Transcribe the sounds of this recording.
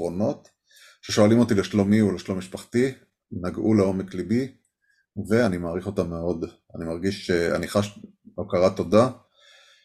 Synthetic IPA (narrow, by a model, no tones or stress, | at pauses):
o̞no̞t̪ | ʃe̞ʃo̞alimo̞t̪ileʃlo̞mioleʃlo̞miʃpaχti | naɡʔuleo̞me̞klibi | ve̞animaːʁiχo̞tamːeo̞d | animaʁɡiʃʃea̰niχaʃ | okaʁato̞da